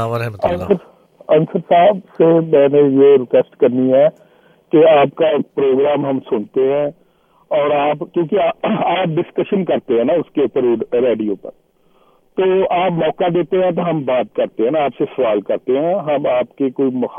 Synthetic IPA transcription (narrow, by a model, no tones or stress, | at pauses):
aːɾɛɦɐ̃nəɾ | ɐ̃nsəɾsaːbsemɛ̃ːnejeɾɪkesʈkɐɾniɦɛː | keaːp̚kapɾoːɡɾaːmɦɐmsʊɳt̪eɦɛ̃ː | ɔːɾaːpkjõːkeaaːp̚ɖɪskəʃənkɐɾt̪eɦɛ̃naʊskeʊpəɾɾeːɖijoːpəɾ | t̪oːaːpmɔːkad̪eːt̪eɦɛ̃t̪̬oɦɐmbaːt̪̚kɐɾt̪eɦɛ̃naaːpsesɐʋaːlkɐɾt̪eɦɛ̃ɦɐmaːpkekoːimʊx